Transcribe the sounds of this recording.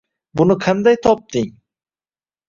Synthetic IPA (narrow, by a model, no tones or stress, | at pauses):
bunukʰand̪ajt̪ʰɔp̚t̪iɲ